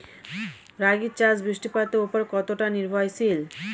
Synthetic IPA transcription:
ɾaɡit͡ɕad͡ʑbɾiʃʈipat̪eupoɾkɔt̪oʈaniɾbʱɔjsil

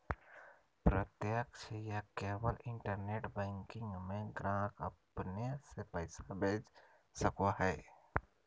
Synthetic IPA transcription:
pɾət̪jəkʃəjakeːwəlɪ̃ɳʈəɾneːʈbɛ̃ːŋkɪ̃ŋɡmẽɡɾãːkəpnesepəɪsabʱeːd͡ʒ | səkoɦɛː

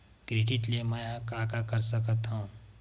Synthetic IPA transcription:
ɡɾiʈiʈleməjkaːkakəɾsəkət̪ɦũ

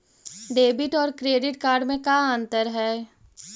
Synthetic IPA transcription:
ɖeːbɪʈɔːɾkɾeːɖɪʈkaːɾɖmẽkaə̃nt̪əɾɦɛː

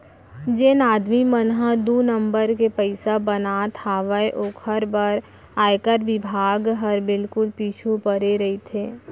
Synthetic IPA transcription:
d͡ʒeːnaːd̪mimənɦəd̪uːnə̃mbəɾkepəɪsabənat̪ʰaːʋəeʔoːkʰəɾbəɾ | aːekəɾʋɪbʱaːɡɦəɾbɪlkʊlpiːt͡ʃʰupəɾeɾɐɦit̪ʰeː

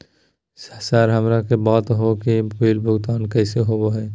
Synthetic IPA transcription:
səsaːɾɦɐmɾakebɔːt̪ɦokikiːlbʱʊɡt̪aːnkɛːseɦoboɦɛː

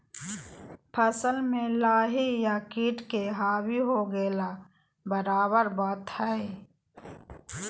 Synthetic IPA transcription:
pʰəsəlmẽlaːɦijakiːʈkeɦaːwiɦoɡeːla | bəɾaːbəɾbaːt̪hɛe

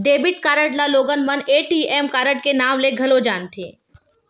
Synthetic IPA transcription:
ɖeːbɪʈkaːɾəʈlaloːɡənməneːʈiɛːmkaːɾəʈ̚kenaːmleɡʱɐlod͡ʒaːnt̪ʰḛ̃ː

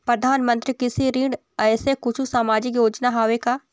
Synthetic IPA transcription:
pɾɐd̪ʱaːnmə̃nt̪ɾikɪsiɾiːɖ | ɛːsekʊt͡ʃʰusaːmaːd͡ʒɪkjoːd͡ʒnaɦaːʋeka

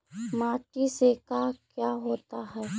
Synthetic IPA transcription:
maːʈisekakjaːɦoːt̪aɦɛː

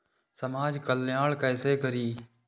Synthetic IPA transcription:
səmaːd͡ʒkəlːɪjaːɭkəːseːkəɾiː

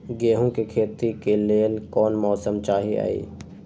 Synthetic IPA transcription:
ɡeːɦũkekʰeːt̪ikeleːlkɔːnmɔːsəmt͡ʃaːɦia̰ːḭː

